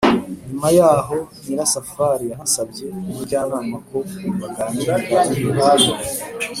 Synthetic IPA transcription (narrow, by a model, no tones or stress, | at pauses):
ɲumajaːɦo̞niɾasafaɾijanasabɟe̞uɾɟaːβaːmako̞βaɡaːniɾakuβaβiɾ